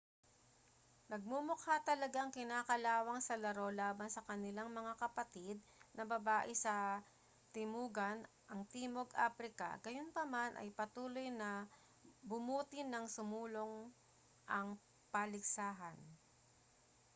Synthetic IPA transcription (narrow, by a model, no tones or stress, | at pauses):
nɐɡ̚mʊmokhat̪ɐlɐɡaŋkɪnaːkɐlaːwɐŋsɐlɐɾo̞laːbɐnsɐkɐnɪlaŋmɐŋakɐpɐt̪id̪̚ | nɐbɐbaːʔɪsɐ | t̪ɪmuːɡɐn | ʔɐŋt̪iːmo̞ɡʔa̰ːpɾɪkɐ̰ɡɐjonpɐmanʔɐ̰jpɐt̪uːlo̞jnɐ | bʊmuːt̪ɪnɐŋsʊmuːloŋ | ʔɐŋ | pɐlɪɡ̚saːɦɐn